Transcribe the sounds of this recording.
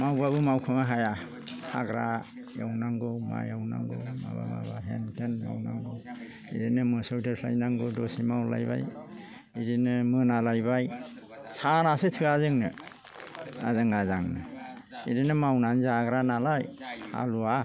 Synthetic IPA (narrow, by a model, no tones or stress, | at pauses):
mawbabɯmawkʰɯmaɦaja | haɡɾa | jawnaŋɡɯwma̰jawna̰ŋɡɯwma̰ba̰ba̰baɦentʰenma̰wna̰ŋɡɯw | iɾinɯmɯsɯwdɯsʰla̰jnaŋɡɯdɔsimawla̰jba̰j | idinɯmɯnalajbaj | sanasɯtʰɯazɯŋnɯ̰ | a̰zɯŋazaŋnɯ̰iɾinɯmawnanzaɡɾanalajha̰lua